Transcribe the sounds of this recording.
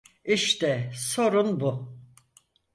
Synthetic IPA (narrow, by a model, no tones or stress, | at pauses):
iʃt̪ɛso̞ɾunbu